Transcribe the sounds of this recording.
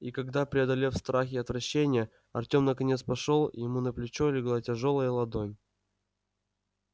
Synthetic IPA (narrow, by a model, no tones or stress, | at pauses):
ikɐɡd̪apɾʲɪɐd̪ɐlʲefst̪ɾaxʲɪɐt̪vɾɐɕːenʲɪjə | ɐ̰rtʲo̞mnəkɐnʲet̪spɐʂolˠjɪmunəplʲɪt͡ɕolʲɪɡlˠatʲɪʐo̞lˠəjəlˠɐd̪onʲ